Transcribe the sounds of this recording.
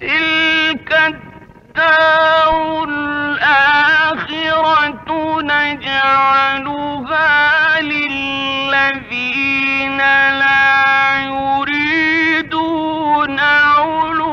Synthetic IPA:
t̪ɪlkatt̪ːabʊlʔaːxɪɾat̪nad͡ʒaʕalu | halɪlːaðiːnalaːjʊɾiːd̪uː | naʊl

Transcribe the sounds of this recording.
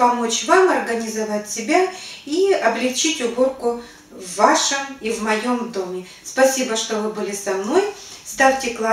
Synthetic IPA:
pɐmo̞t͡ɕvamɐrɡənʲɪzɐvatʲsʲɪbʲaiɐblʲɪkt͡ɕitʲʊbo̞rkʊ | vːaʂɨmivmɐjo̞md̪o̞mʲɪ | spɐsʲibəʂt̪ovɨbɨlʲɪsɐmno̞jst̪afʲtʲɪklˠa

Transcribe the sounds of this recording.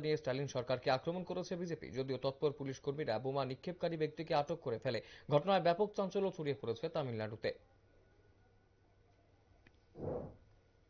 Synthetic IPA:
niesʈalinʃɔɾkaɾkeakɾomonkoɾet͡ɕʰebid͡ʑepḭd͡ʑod̪iot̪ɔt̪̚poɾpuliʃkoɾmiɾabomanikʰːeb̚kaɾibek̚t̪ikeaʈokːoɾefeleɡʱɔʈonaebɛpok̚t͡ɕant͡ɕolot͡ɕʰoɽiepoɾet͡ɕʰet̪amilːaɖut̪e

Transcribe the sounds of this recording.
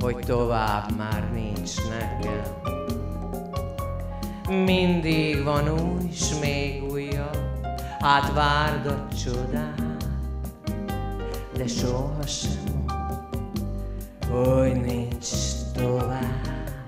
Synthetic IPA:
hoɟt̪ovaːbmaːrnint͡ʃnɛkɛl | mind̪iɡʋɒnuːjʃmeːɡujːɒ | haːt̪ʋaːrd̪ott͡ʃod̪aː | d̪ɛʃoʃɛm | hoɟnint͡ʃt̪ovaːb

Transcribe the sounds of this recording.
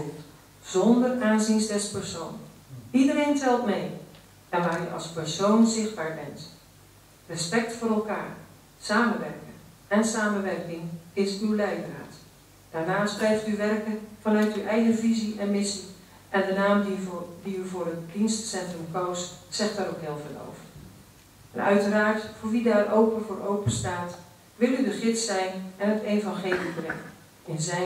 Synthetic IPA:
z̥ɔndəraːnzinsdɛspɛɹsownidəɾejntɛlˠtmej | ɛnʋaːɹy̰ʔɑ̰lˠspɛɹsownzɪχd̚baːɹbɛnt | rəspɛk̚tfʊːɾɛlˠkaːɹ | saːmənʋɛ̰rkən | ɛnsaːmənʋɛrkɪŋɪsywlɛjdəra̰ːt | d̥aːɹnaːsprɛjftyʋɛrkəvɑnœɥtywʔɛjχənviziʔɛnmɪsi | ʔɛndənaːmddiyvʊːrətdinstsɛntrəmkowstsɛχtaɾowkɦɪːlˠvəlo̰wfə | ʔɛ̰nœ̰ɥtəraːɹtfʊːɹʋidaːɹowpənvoːɾowpənstaːt | ʋɪlˠydəχɪtsɛjnɛnɦətejvɑnχejlibrɛŋən | ɪnzɛj

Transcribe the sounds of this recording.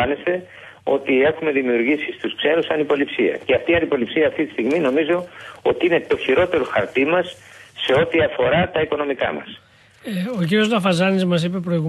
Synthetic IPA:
ɐnest̪e̞ | o̞̰t̪ie̞xume̞ðimiuɾʝisist̪uskse̞ɾusɐnipo̞lipsiɐ̰ceɐft̪iɐnd̪ipo̞lipsiɐːft̪it̪i̥st̪iɣmino̞mizo̞o̞t̪iine̞t̪o̞çiɾo̞t̪e̞ɾo̞xɐ̰ɾt̪imɐsːe̞o̞t̪iɐfo̞ɾɐt̪ɐiko̞no̞mikɐ̰mɐ̰s | ociɾio̞zlɐfɐzɐnizmɐs̬ipe̞pɾo̞iɣu

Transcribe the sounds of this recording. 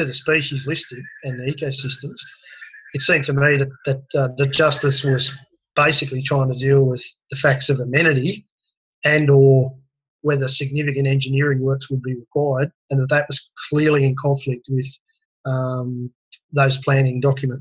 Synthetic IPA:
ɨðɨspiʃizlɪstɪ̃dɨ̃nðiikoʊsɪstɨ̃mz̥ɨtsĩmtʰɨmiðɨt̪̚ðɨt̪̚ðɨt̚d̥ʒ̥ʌstɨswʌz | b̥eɪsɨklitʰɹ̥aɪɪ̃ŋtʰɨdilˠwɪððɨfæk̚tsʌvɨmɛñɨɾi | ɨ̃nə˞ | wɛðə˞sɨɡ̚nɪfɨkɨ̃ntɛ̃nd͡ʒɨnɪɹɪ̃ŋwɜ˞kswəd̚biɹəkʰw̥aɪə˞ɾɨ̃nðət̪̚ðɨt̚wʌz̥kʰl̥ɪɹlˠiɨ̃nkʰɑ̃ɱflɪk̚t̚wɪð | m | ðoʊz̥pʰl̥æ̃ñɪ̃ŋdɑkjɨmə̃nt

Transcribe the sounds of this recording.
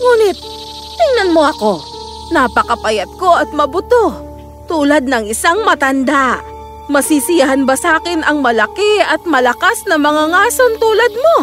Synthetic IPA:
ŋuːnɪt̪̚ | t̪ɪŋnɐnmo̞ʔɐko̞ | nɐpɐkɐpɐjɐt̪̚ko̞ʔɐt̪̚mɐbʊt̪o̞ | t̪uːlɐd̪̚nɐŋɪsaŋmɐt̪ɐnd̪a | mɐsiːsɪjɐɦɐnbɐsaːkɪnɐŋmɐlɐkɛɐt̪̚mɐlɐkasnɐmɐŋaŋaːsont̪uːlɐd̪̚mo̞

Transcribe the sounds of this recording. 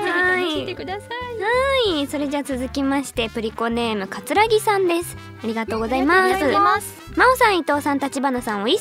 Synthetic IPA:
ai | haiso̞ɾe̞d͡ʑat͡sɨzɨkʲimaɕi̥t̪e̞pɯ̟ɾʲiko̞ne̞ːmɯ̟kat͡sɨɾaɡʲisãnd̪e̞sɨ̥ | aɾʲiɡat̪o̞ːɡo̞zaimasɨ | maosãɰ̃it̪o̞ːsãnt̪at͡ɕibanasãɰ̃oi

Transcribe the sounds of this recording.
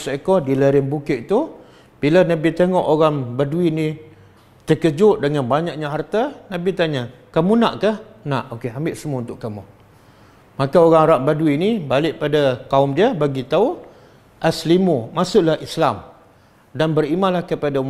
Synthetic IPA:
sekɔhdiləɾɪmbukɪʔt̪u | b̥ilənabit̪eŋɔʔoɣaŋbaduinĩ | t̪əkəd͡ʒʊʔ̚dəŋanbaɲak̚ɲaɦart̪ənãbit̪aɲa | kamunaʔkahnaʔokeambɪʔsəmuaunt̪ʊʔkamu | makaoɣaŋɾaŋbaduwinibalɪʔpadakaʊmdəbaɡit̪au | ʔaslimumasʊʔlahislam | danbərimanlahkəpada

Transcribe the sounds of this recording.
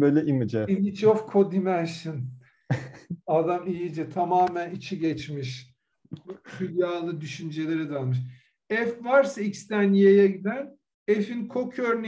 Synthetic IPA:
bøjlʲɛʔimid͡ʒɛimit͡ʃofkʰod̪imænʃɯn | ad̪amijid͡ʒɛt̪ʰamaːmænit͡ʃʰiɟɛt͡ʃmiʃ | fylʲjaːlˠɯd̪yʃynd͡ʒelʲe̞ɾɛd̪alˠmɯʃ | ɛfvaɾsaicst̪ʰænijejɛɟid̪æn | efinkʰokʰøɾn

